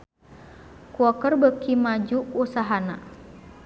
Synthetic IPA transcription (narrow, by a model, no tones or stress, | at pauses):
kuɔkərbəkimad͡ʒuʔusaɦana̰